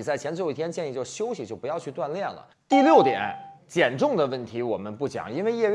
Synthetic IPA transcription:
t͡sa˥˩ɪt͡ɕʰɛ˧˥nt͡si˧˩jɛ˥nt͡ɕjɛ˥˧ni˥˩t͡ɕjo˥˩ʊɕjo˥ʊɕi˨t͡ɕjo˥˩ʊpjɑ˥˧ʊt͡ɕʰy˥˧t̪wa˥˧nljɛ˥˩nlə̰˩ | t̪i˥˧ljo˥˩ʊt̪jɛ̰˨˩˦nt͡ɕjɛ˨˩nʈ͡ʂʊ˥˩ŋd̪ə˩wə˥˩nt̪ʰi˧˥wɔ˨˩mə˦npu˥˩t͡ɕjɑ̰˨˩˦ŋi˥nwe˥˧ɪjɛ˥˧

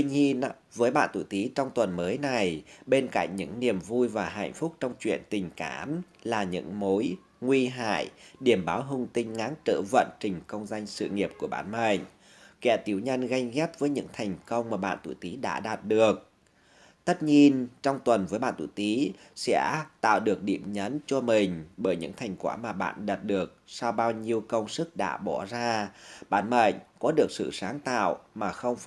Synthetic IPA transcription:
t̪i˧ɲi˧ənvəː˨˦jɓa̰ː˧˨nt̪ṵ˧˩t̪i˨˦t͡ɕɔ˧wŋ͡mt̪wə˨˩nməː˨˦jna˨˩jɓe˧nka̰˧˨ŋ̟ɲɨ̰˧˥ŋni˨˩əmvu˧jvaː˨˩ɦa̰˧˨jŋ̟fʊ˦˥k͡p̚t͡ɕɔ˧wŋ͡mt͡ɕwḭ˧˨ənt̪ï˨˩ŋ̟ka̰ː˧˩˦mlaː˨˩ɲɨ̰˧˥ŋmo˨˦j | ŋwi˧ɦa̰ː˧˨jɗi˨˧˩əmɓaː˨˦wɦʊ˨˧˩ŋ͡mt̪ï˧ŋ̟ŋaː˨˦nt͡ɕə̰ː˧˩və̰˧˨nt͡ɕï˨˩ŋ̟kə˧wŋ͡mza˧jŋ̟sɨ̰˧˨ŋi˨˩əp̚ku˧˩əɓa̰ː˧˩nmə̰˧˨jŋ̟ | kɛ̰˧˥t̪i˨˩əwɲə˧nɣa˧jɣɛ˦˥p̚vəː˨˦jɲɨ̰˧˥ŋt̪ʰɛ˨˩jŋ̟kə˧wŋ͡mmaː˨˩ɓa̰ː˧˨nt̪ṵ˧˩t̪i˨˦ɗa̰ː˧˥ɗaː˨˩t̚ɗɨ˨˩ək̚ | t̪ə˦˥t̚ɲi˧ənt͡ɕɔ˧wŋ͡mt̪wə˨˩nvəː˨˦jɓa̰ː˧˨nt̪ṵ˧˨t̪i˨˦sɛ̰˧˥t̪a̰ː˧˨wɗɨ˨˩ək̚ɗḭ˧˨əmɲə˨˦nt͡ɕɔ˧mï˨˩ŋ̟ɓəː˧˩jɲɨ̰˧˥ŋt̪ʰa˨˩jŋ̟kwa̰ː˧˩maː˨˩ɓa̰ː˧˨nɗəː˨˩t̚ɗɨ˨˩ək̚sa˧wɓaː˧wɲi˧əwkə˧wŋ͡msɨ˦˥k̚ɗa̰ː˧˥ɓɔ˧˩zaː˧ɓa̰ː˧˨nmə̰˧˨jŋ̟kɔ˨˦ɗɨ˨˩ək̚sɨ̰˧˨saː˨˦ŋt̪a̰ː˧˨wmaː˨˩xə˧wŋ͡m

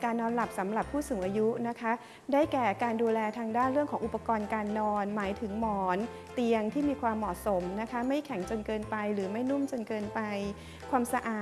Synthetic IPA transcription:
kaː˧nːɔː˧nla˨˩p̚sa˩˦mɾa˨˩pʰːuː˥˩suː˨˩˦ŋʔaː˧ju˦˥na˦˥kʰa˦˥ | daː˥˩jkɛː˨˩kaː˧nduː˧lɛː˧t̪ʰaː˧ŋdaː˥˩nɾɯ˥˩əŋkʰɔː˩˦ŋʔu˨˩pːa˧kɔː˧nkaː˧nːɔː˧nmaː˩˦jt̪ʰɯ˩˦ŋmɔː˩˦n | t̪i˧əŋt̪ʰiː˥˩miː˧kʰwaː˧mːɔ˨˩t̚so˩˦mna˦˥kʰa˦˥ma˥˩jkʰɛ˩˦ŋt͡ɕo˧nkɤː˧npa˧jɾɯː˩˦ma˥˩jnu˥˩mt͡ɕo˧nkɤː˧npa˧j | kʰwaː˧msa˧ʔaː˨˩

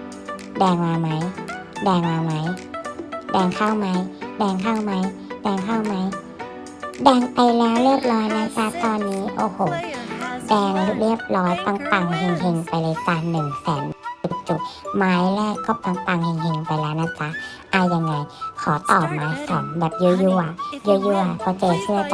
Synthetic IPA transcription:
dɛː˧ŋmaː˧ma˦˥jdɛː˧ŋmaː˧ma˦˥j | dɛː˧ŋkʰaː˧˩˨wma˦˥jdɛː˧˩ŋkʰaː˧˥˩wma˦˥jdɛː˧˩ŋkʰaː˧˥˩wma˦˥j | dɛː˧ŋpa˨jlɛː˦˥wlɤː˧˥˨p̚lɔː˧˦˥jna˧˥˨kʰa˦˥t̪ɔː˧nːi˦˥ʔoː˧˩ho˨˩dɛː˧˩ŋlu˧k̚li˧˥˩əp̚lɔː˧˥jt̪a˧ŋt̪a˧ŋɦe˧ŋɦe˧ŋpa˨jlɤː˧˦jsa˧˨˩nːɯ˨˩ŋsɛː˨˦nu˧˨˩k̚t͡ɕu˧˩maː˦˥jlɛ˧˥˨kʰɔː˧˦˨p̚t̪a˧ŋt̪a˧˩ŋhe˧ŋhe˧ŋpa˨jlɛː˦˥wna˧˥nkʰa˧˥ | ʔaː˧ja˧ŋːa˧˩jkʰɔː˩˦t̪ɔː˨˩p̚maː˨˦˥jsa˨˩˦nbɛː˨˩p̚juː˧˦juː˧ʔa˧˨ju˧juː˧a˨kʰɔː˧˦t͡ɕɤː˧˩sɯ˧˨ɐt͡ɕ

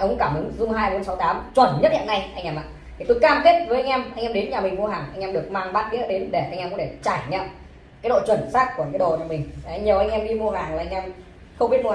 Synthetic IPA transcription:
kʊ˧˦kaː˧˩mʔɨ˨˦ŋzʊ˧ŋ͡mɦaː˧jɓo˨˦nsa˨˦wt̪aː˨˦mt͡ɕwə˧˩nɲə˦˥t̚hḭ˧˨na˧jʔa˧jŋ̟ʔɛ˧mʔa̰˧˨t̪ʰi˨˩t̪o˨˧jkaː˧mk̪i˦˥ət̚və˨˦jʔa˧ŋ̟ʔɛ˧mʔa˧ŋʔɛ˧ɗe˨˦nɲaː˨˩mï˨˩ŋ̟mu˧ɦaː˨˩ŋʔa˧jŋ̟ʔɛ˧mɗɨ˨˩ək̚maː˧ŋɓaː˦˥t̚ɗi˧˥ə˧˦˥ɗe˨˦nɗe˧˩ʔa˧jŋʔɛ˧mkʊ̰˧˥t̪ʰe˧˩t͡ɕaː˧˩jʔa˧˩ɲ̟ʔɛ˧m | kaː˨˦jɗo̰˧˨t͡ɕwə˧˩nsaː˦˥k̚ku˧˩əkaː˨˦ɗo̰˧˨ɲaː˨˩mï˨˩ŋ̟a˨˧jɲi˨˩əʔa˧jŋ̟ʔɛ˧mɗi˧mu˧əɦaː˨˩ŋlaː˨˩ʔa˧ŋ̟ʔɛ˧m | xə˧wŋ͡mɓi˦˥t̚m˧˨˩

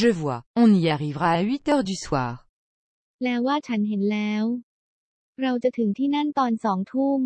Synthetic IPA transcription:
ʒəvwaɔ̃niaʁivʁaaɥit̪œːʁd̪yswa̰ːʁ | lɛː˦˥wːaː˥˩t͡ɕʰa˦˥nɦe˩˦nlɛː˦˥w | ɾa˧wt͡ɕa˨t̪ʰɯ˩˦ŋt̪ʰiː˥˩na˥˩nt̪ɔː˧nsɔː˩˦ŋt̪ʰuː˥˩m

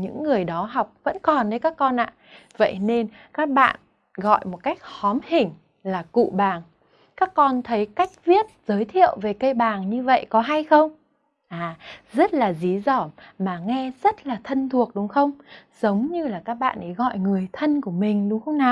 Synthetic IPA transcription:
ɲɨ̰˧˥ŋːɨ˨˩əjɗɔ˨˦ɦa˨˩wk͡p̚və̰˧˥nkɔ˨˩nɗə˨˦jkaː˦˥kːɔ˧nʔa̰ː˧˨və̰˧˨jne˧n | kaː˦˥k̚ɓa̰ː˧˨n | ɣɔ̰˧˨jmo˨˩t̚ka˦˥jk̚hɔ˨˦mhï˨˩ŋ̟ | laː˨˩kṵ˧˨ɓaː˨˩ŋ | kaː˦˥kːɔ˧nt̪ʰə˨˦jka˦˥jk̟̚vi˦˥ət̚zəː˨˦jt̪ʰḭ˧˨əwve˨˩kə˧jɓaː˨˩ŋɲɨ˧və̰˧˨jkɔ˨˦ɦa˧jxə˧wŋ͡m | ʔaː˨˩zə˦˥t̚laː˨˩zi˨˦zɔ˧˩maː˨˩ŋɛ˧zə˦˥t̚laː˨˩t̪ʰə˧nt̪ʰu˨˩ək̚ɗʊ˨˦ŋ͡mxə˧wŋ͡mzə˨˦wŋ͡mɲɨ˧laː˨˩kaː˦˥k̚ɓa̰ː˧˨nʔə˨˦jɣɔ̰˧˨jŋɨ˨˩əjt̪ʰə˧nku˧˩əmï˨˩ŋ̟ɗʊ˨˦ŋ͡mxə˧wŋ͡mnaː˨˩w

